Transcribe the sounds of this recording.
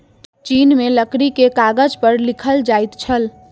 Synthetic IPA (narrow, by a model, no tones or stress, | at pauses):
t͡ʃinmeləkɽikekaɡəd͡ʒpəɾlikʰəld͡ʒajt̪t͡ʃʰəl